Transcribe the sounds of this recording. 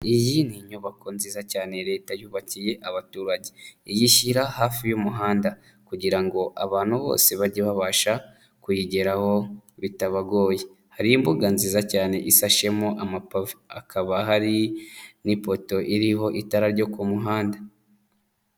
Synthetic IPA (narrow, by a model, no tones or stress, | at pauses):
ijiniɲuβako̞nziːzacaːne̞ɾe̞ːtajuːβacije̞ʔaβatuːɾaɟe̞ijiçiɾahaːfijumuɦaːnda | kuɟiɾaŋɡo̞ʔaβaːn̥huβo̞̰ːse̞βaɾɟiβaβaːʃa | kujiɟe̞ɾaho̞βitaβaɡo̞ːje | haɾijimbuɡanziːzacaːne̞ʔisaʃe̞moʔamapavakʰaβaɦaɾinipo̞to̞ʔiɾiɦo̞ʔitaɾaɾɟo̞kumuɦaːnda